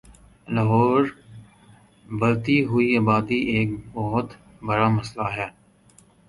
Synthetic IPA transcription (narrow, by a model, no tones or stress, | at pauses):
ləɦɔːɾ | bɐlt̪iɦʊiaːbaːd̪iʔeːk̚bɔɦʊt̪ | bəɾaːmɐslaɦɛː